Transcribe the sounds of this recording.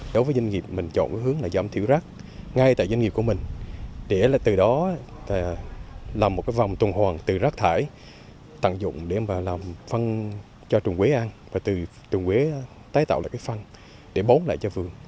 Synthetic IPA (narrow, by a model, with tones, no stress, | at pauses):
ɗo˨˦jvəː˨˦jzwa˧ŋ̟ŋi˨˩əp̚mï˨˩ŋ̟t͡ɕɔ̰˧˨nkaː˨˦jɦɨ˨˦əŋlaː˨˩za̰ː˧˩mt̪ʰi˧˥wza˦˥k̚ | ŋa˧jt̪a̰ː˧˨za˧ŋi˨˩p̚ku˧˩əmï˨˩ŋ̟ɗe˧˩laː˨˩t̪ɨ˨˩ɗɔ˨˦aː˨˩laː˨˩mo˨˩kaː˨˦jva˨˩wŋ͡mt̪ə˨˩nhwaː˨˩ŋt̪ɨ˨˩zaː˦˥k̚t̪ʰaː˧˩j | t̪a̰˧˨ŋzʊ̰˧˨ŋ͡mɗe˧˩maː˨˩laː˨˩mfə˧n | t͡ɕɔ˧t͡ɕʊ˨˩ŋkwe˨˦ʔaː˧nvaː˨˩t̪ɨ˨˩ | t͡ɕʊ˨˩ŋkwe˨˦ | t̪aː˨˦jt̪a̰ː˧˨wla̰ː˧˨jkːfa˧n | ɗe˧˩ɓo˨˦nla̰ː˧˨jt͡ɕɔ˧vɨ˨˩əŋ